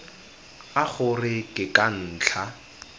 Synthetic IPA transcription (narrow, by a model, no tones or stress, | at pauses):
aχʊrɪkʼɪkʼan̩ːt͡ɬʰa